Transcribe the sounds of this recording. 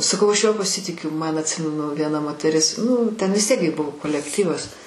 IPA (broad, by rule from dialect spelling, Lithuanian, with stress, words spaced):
sɐˈkɐʊ ˈɐʃ ˈjuɔ pɐˈsʲɪtʲɪkʲʊ ˈmɐn ɐtʲˈsʲɪmʲɛnʊ ʋʲiɛˈnɐ moːtʲɛˈrʲɪs ˈnʊ tʲɛn ˈʋʲɪs tʲiɛk ɡʲɪ ˈbʊʋoː koːlʲɛkˈtʲiːʋɐs